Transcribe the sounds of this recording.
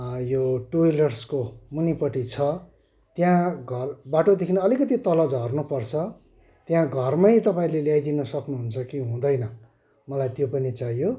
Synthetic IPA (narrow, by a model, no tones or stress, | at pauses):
joʈuilʌrskomunipʌʈit͡sʰʌ | t̪jãɡʱʌrbaʈod̪ekʰinʌʌlikʌt̪it̪ʌlʌd͡zɦʌrnupʌrt͡sʰʌ | t̪jãɡʱʌrmʌjt̪ʌpãĩleljajd̪inʌsʌknuɦunt͡sʰʌkiɦũd̪ʌjnʌ | mʌlajt̪jopʌnit͡sajo